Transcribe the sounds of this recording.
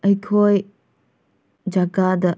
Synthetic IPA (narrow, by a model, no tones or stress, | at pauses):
əjkʰoj | d͡ʒaɡadɐ